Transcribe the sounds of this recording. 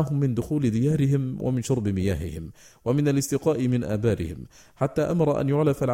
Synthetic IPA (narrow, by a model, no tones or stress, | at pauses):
aɦʊmːɪnd̪ʊxuːlɪd̪ɪjaːɾɪɦɪmwʔa̰mɪnʃʊɾˤbɪmɪjaːɦɪ̰hɪmwamɪnalɪst̪ɪqɑːʔɪmɪnʔa̰ːbaːɾʔɪ̰hɪm | ħat̪ːaːʔamɑɾˤɑʔa̰njʊʕlafalʕ